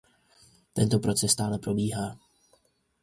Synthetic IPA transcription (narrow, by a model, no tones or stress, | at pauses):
t̪ɛnt̪o̞pɾo̞t͡sɛst̪aːlɛpɾo̞biːɦaː